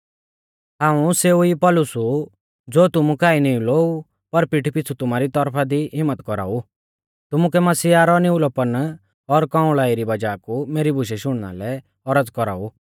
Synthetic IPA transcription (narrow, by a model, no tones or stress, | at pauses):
ɦãːũseːuipɔlʊsu | d͡zoːt̪ʊmukaːinĩuloːu | pɐɾpɪʈʰpɪt͡sʰut̪ʊmaːɾit̪ɔɾpʰad̪iɦɪmːət̪kɔɾa̰ːu | t̪ʊmukɛmɐsiːaɾɔnɪʊlɔpən | ɔɾkãːʊ̃ɭaːiɾibɐd͡ʒaːkumeːɾibʱʊʃ̬ɛʃʊɽ̃na̰lɛ | ɔɾəd͡zkɔɾa̰ːu